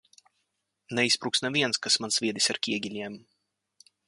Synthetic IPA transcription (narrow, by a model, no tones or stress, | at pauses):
nɛispɾuːksnavʲiɛnskasmansvʲiɛd̪isʲaɾkʲiɛɡʲilʲiɛm